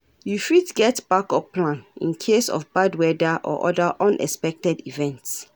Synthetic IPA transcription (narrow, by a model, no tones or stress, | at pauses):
jufitɡɛtb̥akɔpːlãnḭ̃nkʰesɔ̰fbadwɛdaʔɔ̰ʔɔdaʔɔ̃nʔɛ̰spɛk̚tɛdivɛ̃nts